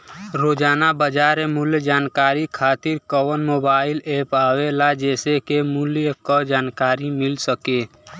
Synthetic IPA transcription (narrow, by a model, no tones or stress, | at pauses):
ɾoːd͡ʒaːnabəd͡ʒaːɾemʊljd͡ʒaːnkaːɾikʰaːt̪ɪɾkɔwənmoːbaːɪleːpaːwelad͡ʒɛːsekemʊljəkɔd͡ʒaːnkaːɾimɪlsəkeː